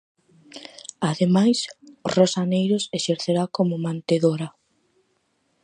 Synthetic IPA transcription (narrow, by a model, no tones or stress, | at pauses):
aðemajsʊrosanejɾʊseʃeɾθeɾakomʊmãnt̪eðoɾɐ